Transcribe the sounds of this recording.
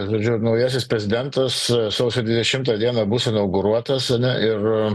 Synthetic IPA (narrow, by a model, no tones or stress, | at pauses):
ʒoːd͡ʒʲʊnɐʊjæːs̬ʲɪspʲɾʲɛzʲɪd̪ʲɛnt̪ɐssosʊd̪ʲʋʲɪd̪ʲɛʃʲɪmt̪ɑːd̪ʲiɛnɐbusɪnɐʊɡʊɾuɔt̪ɐsɐnʲɛʔɪr